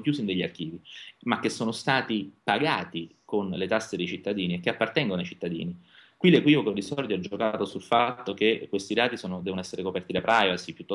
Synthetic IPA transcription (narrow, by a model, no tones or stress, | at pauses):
kjuːzind̪eʎːiark̟iːvimakːesːoːnost̪aːt̪ipaɡaːt̪ikonlet̪asːed̪ejt͡ʃit̪ːad̪iːniek̟ːeapːart̪ɛŋɡonoajt͡ʃit̪ːad̪ḭːni | kwilekwivokod̪isɔrd̪joad͡ʒokat̪osulfat̪ːok̟ekːwest̪id̪aːt̪isoːnod̪ɛːvonoɛsːeɾekopɛrt̪id̪apɾʔajvasipjut̪ːɔ